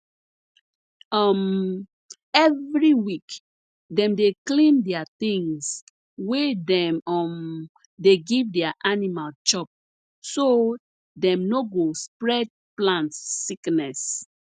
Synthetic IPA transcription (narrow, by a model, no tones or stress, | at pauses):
ɔm | ɛvɹiwik | dɛ̃mdeklĩndɛat̪ĩŋs | wedɛ̃mɔm | deɡivdɛaʔanimalt͡ʃɔp̚ | so | dɛ̃mnoɡospɹɛd̚plãntːiknɛs